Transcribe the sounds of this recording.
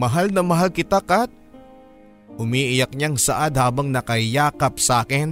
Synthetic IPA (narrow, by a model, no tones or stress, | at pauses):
mɐɦalnɐmɐɦalkɪt̪akɐt̪̚ | ʔʊmiːʔɪjɐk̚ɲaŋsɐʔad̪̚haːbɐŋnɐkɐjaːkɐp̚saːkɪn